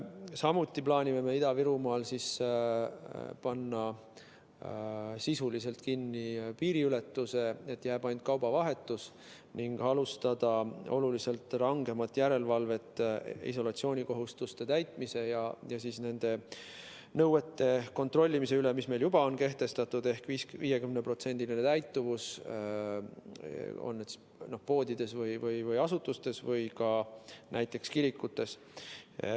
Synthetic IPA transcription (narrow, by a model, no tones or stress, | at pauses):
sɑmut̪ʲːˑiplɑːnʲime̞me̞id̪ɑviɾumɑːlsiːs | pɑnːɑ | sisulise̞lt̪kinːipiːɾiyle̞t̪ːuse̞e̞t̪ːjæːb̥ɑjnd̪̥̚kɑwbɑvɑɦe̞t̪ːˑus | niŋɡ̥ɑlust̪ɑd̪̥ɑo̞̰lulise̞lt̪ˑrɑŋɡe̞mɑt̪ːˑjæɾe̞lvɑlve̞t̪ːˑḭso̞lɑt̪sio̞ːnʲiko̞ɦust̪ust̪e̞t̪æjt̪ˑmise̞jɑjɑsiːsne̞nd̪̥e̞ | nɤwe̞t̪ːe̞ko̞nt̪ro̞lʲːimise̞ylemisme̞jljub̥ɑo̞nke̞ht̪e̞st̪ɑt̪ːˑud̪e̞hkviːsviːje̞kymnepro̞t̪se̞nʲd̪̥ilinet̪æjt̪ˑːuvus | o̰nːet̪s | no̞hpo̞ːd̪̥ʲid̪̥e̞svɤjvɤjvɤjɑsut̪ːˑust̪e̞svɤjkɑnʔæjt̪ːˑe̞kskiɾikːut̪ːe̞s